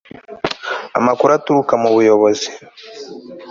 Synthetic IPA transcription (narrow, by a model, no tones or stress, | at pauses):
a̰makuɾatuɾukamuβujoβozi